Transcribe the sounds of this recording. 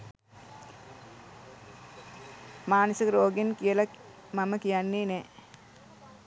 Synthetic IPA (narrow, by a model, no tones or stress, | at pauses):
maːnosikəɾoːɡenkijəla | maməkijanːiːne